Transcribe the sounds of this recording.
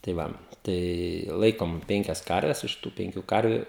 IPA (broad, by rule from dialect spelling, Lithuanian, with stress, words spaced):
tɐɪ ˈʋɐ ˈtɐɪ ˈlˠɐɪkoːm ˈpʲɛŋʲkʲɛs ˈkɐrʲʋʲɛs ˈɪʃ tuː ˈpʲɛŋʲkʲʊ ˈkɐrʲʋʲʊ